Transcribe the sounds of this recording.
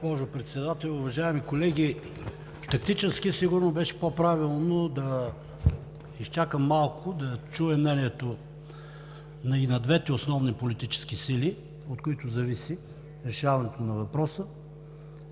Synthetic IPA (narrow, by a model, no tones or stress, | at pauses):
bɔʒʊpɾɛt̪sɛd̪at̪ɛlʲʊvɐʒaɛmikolɛɡʲi | ft̪ɐkt̪it͡ʃɛskisiɡʊɾnobɛʃɛ̥popɾavilˠnod̪ɐ | ist͡ʃakəmːalˠkʊd̪ɐt͡ʃuɛmnɛniɛt̪o | nɐinɐd̪vɛt̪ɛosnɔvnipolit̪it͡ʃɛ̥sk̟isili | ot̪koit̪ʊzɐvisi | ɾɛʃavɐnɛt̪onɐvɐpɾɔsə